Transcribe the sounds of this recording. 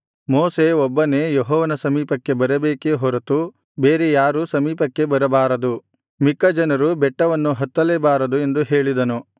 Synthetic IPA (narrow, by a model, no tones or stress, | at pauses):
mɔːseɔbːɐneːjeɦɔːʋɐnɐsɐmiːpɐkːe̞bɐɾɐbeːkeɦɔɾɐt̪u | beːɾejaːɾusɐmiːpɐkːe̞bɐɾɐbaːɾɐd̪u | mikːɐd͡ʒɐnɐɾubɛʈːɐʋɐnːuɦɐt̪ːɐleːbaːɾɐd̪ue̞nd̪uɦeːɭid̪ɐnu